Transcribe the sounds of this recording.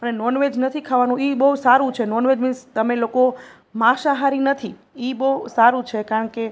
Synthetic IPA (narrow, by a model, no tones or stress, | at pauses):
pəɳenɔnʋed͡ʒnət̪ʰikʰaʋanũibəusaɾũt͡ʃʰenɔnʋed͡ʒmĩnst̪əmeloko | mãʃaɦaɾinət̪ʰi | ibəɦsaɾũt͡ʃʰekaɾəɳke